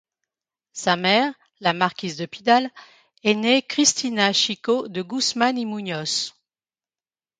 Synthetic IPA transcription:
samɛʁ | lamaʁkʲizd̪əpid̪al | ɛnekχist̪ʰinaʃikod̪əɡusmanimuɲɔs

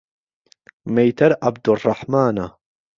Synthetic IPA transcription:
mejt̪ʰɐɾʔa̰b̚d̪ʊrˤːɑħmaːna

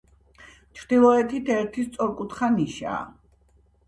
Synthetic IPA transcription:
t͡ʃʰɾd̪̥ilˠɔɛt̪ʰit̪ʰɛɾt̪ʰist̪sʼɔɾkʼut̪χaniʃa̰ː

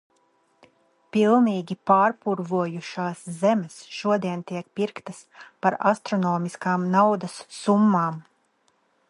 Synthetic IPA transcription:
pilˠniːɡʲipaːɾpuɾvuɔjuʃaːszɛmʲɛsʃuɔd̪iɛnt̪iɛk̚piɾkt̪ɐspaɾast̪ɾɔnɔːmiskaːmnawd̪ɐsːumːaːm

